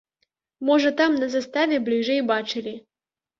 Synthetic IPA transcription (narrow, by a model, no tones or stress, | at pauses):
mɔʐɐt̪amnɐzɐst̪avʲɛblʲiʐɛjbat͡ʂɨlʲi